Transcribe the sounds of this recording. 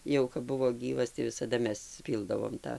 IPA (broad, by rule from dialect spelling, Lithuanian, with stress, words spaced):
ˈjɛʊ kɐp ˈbʊʋoː ˈɡʲiːʋɐs tɐɪ ʋʲɪsɐˈdɐ ˈmʲɛs ˈpʲiːlˠdɐʋoːm ˈtɑː